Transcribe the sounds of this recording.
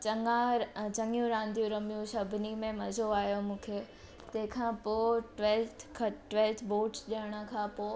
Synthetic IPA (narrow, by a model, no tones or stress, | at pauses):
t͡ɕɐŋãɾt͡ɕɐ̃ŋjũɾãːnd̪ʱijũɾɐmijũsɐbʱɪnimẽmɐzʱoaːɦijomũːkʰeː | t̪ɐ̃ɦɪ̃kʰãːpoːʈʋɛlt̪ʰkʰɐʈʋɛːlt̪ʰboːʈsɗiəɽ̃ə̆kʰãːpoː